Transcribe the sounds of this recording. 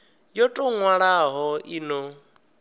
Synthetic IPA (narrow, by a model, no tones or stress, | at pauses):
jɔtʼɔŋwaɺaɦɔinɔ